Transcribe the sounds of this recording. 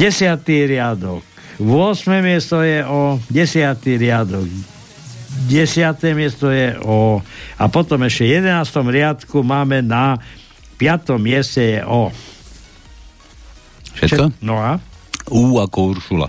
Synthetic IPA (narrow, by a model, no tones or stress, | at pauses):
ɟɛsɪat̪iɾɪad̪ɔk | ʋʊɔsmɛːmɪɛst̪ɔjɛʔɔɟɛsɪat̪iɾɪad̪ɔɡ | ɟɛsɪat̪ɛmɪɛst̪ɔjɛʔɔapɔt̪ɔmɛʃcɛjɛd̪ɛnaːst̪ɔmɾɪat̪kumaːmɛna | pɪat̪ɔmːɪɛscɛjɛʔɔ | ʃɛ̰ʃɛɔnɔauːakɔuɾʃula̰